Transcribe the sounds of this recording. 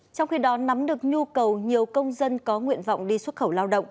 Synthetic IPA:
t͡ɕɔ˧wŋ͡mxi˧ɗɔ˨˦na˨˦mɗɨ˨˩ək̚ɲu˧kə˨˩wɲi˨˩əwkə˧wŋ͡mzə˧nkɔ˨˦ŋwḭ˧˨ənvɔ̰˧˨wŋ͡mɗi˧swə˦˥t̚xə˧˩wlaː˧wɗə̰˧˨wŋ͡m

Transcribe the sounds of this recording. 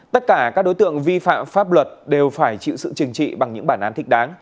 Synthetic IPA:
t̪ə˦˥t̚kaː˧˩kaː˦˥k̚ɗo˨˦jt̪ɨ̰˧˨əŋvi˧fa̰ː˧˨mfaː˦˥p̚lwə˨˩t̚ɗe˨˩wfaː˧˩jt͡ɕḭ˧˨wsɨ̰˧˨t͡ɕɨ˨˩ŋt͡ɕḭ˧˨ɓa˨˩ŋɲɨ̰˧˥ŋɓaː˧˩nʔaː˨˦nt̪ʰi˦˥k̟̚ɗaː˨˦ŋ

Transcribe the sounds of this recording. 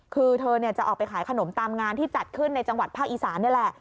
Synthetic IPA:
kʰɯː˧t̪ʰɤː˧ni˥˩ɐt͡ɕa˨˩ʔɔː˨˩pa˧jkʰaː˩˦jkʰa˧no˩˦mt̪aː˧mŋaː˧nt̪ʰiː˥˩t͡ɕa˨˩t̪̚kʰɯ˥˩nːa˧jt͡ɕa˧ŋwa˨˩t̪̚pʰaː˥˩k̚ʔiː˨˩saː˩˦nːi˥˩lɛ˨˩ʔ

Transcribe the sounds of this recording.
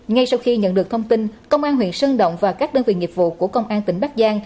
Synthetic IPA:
ŋa˧jsa˧wxi˧ɲə̰˧˨nɗɨ˨˩ək̚t̪ʰə˧ŋ͡mt̪i˧nkə˧wŋ͡mʔaː˧nhwḭ˧˨ənsəː˧nɗə̰˧˨wŋ͡mvaː˨˩kaː˦˥k̚ɗəː˧nvḭ˧˨˩ŋi˨˩p̚vṵ˧˨ku˧˩əkə˧wŋ͡mʔaː˧nt̪ï˧˩ŋ̟ɓa˦˥k̚zaː˧ŋ

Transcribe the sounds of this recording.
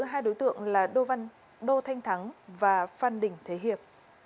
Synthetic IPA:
ɨ˨˦ɦaː˧jɗo˨˦jt̪ɨ̰˧˨əŋlaː˨˩ɗo˧va˧n | ɗo˧t̪ʰa˧jŋ̟t̪ʰa˨˦ŋvaː˨˩faː˧˩nɗï˨˩ŋ̟t̪ʰe˨˦ɦi˨˩əp̚

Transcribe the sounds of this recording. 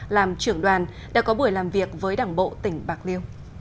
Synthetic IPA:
laː˨˩mt͡ɕɨ˧˩əŋɗwaː˨˩nɗa̰ː˧˥kɔ˨˦ɓu˧˩əjlaː˨˩mvi˨˩ək̚vəː˨˦jɗaː˧˩ŋɓo̰˧˨t̪ï˧˩ŋ̟ɓaː˨˩k̚li˧əw

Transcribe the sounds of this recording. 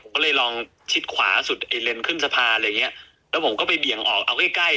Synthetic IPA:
o˩˦kɔː˥˩lɤː˧jlɔː˧ŋ | t͡ɕʰi˦˥t̪̚kʰwa̰ː˩˦su˨˩t̪̚ʔa˧jle˧nkʰɯ˥˩nsa˧pʰaː˧lɤ˧ja˨˩ŋːi˦˥ɐʔ | lɛ˦˥pʰmkɔː˥˩pa˧jbi˨˩əŋʔɔː˨˩k̚ʔa˧wka˥˩jkla˥˩

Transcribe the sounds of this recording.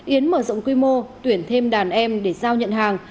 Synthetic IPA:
ʔi˨˦ənməː˧˩zo̰˧˨wŋ͡mkwi˧mo˧t̪wi˨˧˩ənt̪ʰe˧mɗaː˨˩nʔɛ˧mɗe˧˩zaː˧wɲə̰˧˨nɦaː˨˩ŋ

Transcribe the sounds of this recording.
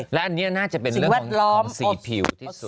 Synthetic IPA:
lɛ˦˥ʔa˧nːiː˦˥ɐnaː˥˩t͡ɕa˨˩pe˧nɾɯ˥˩wɛ˥˩ɔ˩˧lɔː˦˥msi˨˩pʰi˧˩w

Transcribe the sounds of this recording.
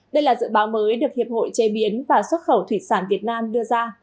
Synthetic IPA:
ɗə˧jlaː˨˩zɨ̰˧˨ɓaː˨˦wməː˨˦jɗɨ˨˩ək̚hi˨˩əp̚ho̰˧˨jt͡ɕe˨˧ɓi˨˦ənvaː˨˩swə˦˥t̚xə˧˩wt̪ʰwi˧˩saː˧˩nvi˨˩ət̚naː˧mɗɨ˧əzaː˧

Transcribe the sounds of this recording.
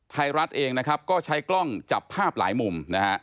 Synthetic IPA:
t̪ʰa˧jɾa˦˥t̪̚ʔeː˧ŋna˦˥kʰa˦˥p̚kɔː˥˩t͡ɕʰa˦˥jklɔ˥˩ŋt͡ɕa˨˩pʰːaː˥˩p̚la̰ː˩˦jmu˧mna˦˥ha˦˥ʔ

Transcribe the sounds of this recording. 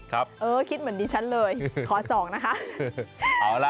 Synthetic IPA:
kʰɾa˦˥p̚ʔɤː˧kʰi˦˥t̪̚mɯ˩˦ə˦ndiː˧t͡ɕʰa˦˥nlɤː˧jkʰɔː˩˦sɔː˩˦ŋna˦˥kʰa˦˥ʔ | ʔaː˩˦la˦

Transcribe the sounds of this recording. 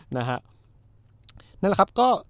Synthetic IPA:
na˦˥kʰa˦˥ʔ | na˥˩˨la˦˩kʰa˦˥p̚kɔː˥˩

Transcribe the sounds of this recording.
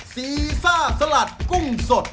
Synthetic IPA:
siː˨˩˦saː˥˩sa˧˥la˨˩t̪̚ku˥˩ŋso˨˩t̪̚

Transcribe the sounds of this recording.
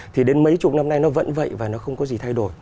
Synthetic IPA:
t̪ʰi˨˩ɗe˨˦nmə˨˦jt͡ɕʊu˨˩k͡p̚na˧mna˧jnɔ˨˦və̰˧˥nvə̰˧˨jvaː˨˩nɔ˨˦xə˧wŋ͡mkɔ˨˦zi˨˩t̪ʰa˧jɗo˧˩j

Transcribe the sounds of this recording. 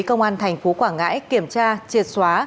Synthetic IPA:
kə˧wŋ͡mʔaː˧nt̪ʰɛ˨˩jŋ̟fo˨˦kwaː˧˩ŋa̰ː˧˥jki˧˩əmt͡ɕaː˧t͡ɕi˨˩ət̚swaː˨˦

